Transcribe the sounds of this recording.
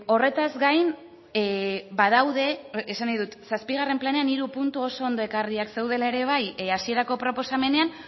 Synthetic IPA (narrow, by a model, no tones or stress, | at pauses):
o̞re̞t̪azɡajn | baðawðe̞ːsanajðut̪saspiɣare̞mplane̞aniɾupunt̪uo̞so̞ond̪o̞e̞kariakse̞wð̞e̞lae̞ɾe̞β̞ajasie̞ɾako̞pɾo̞po̞same̞ne̞an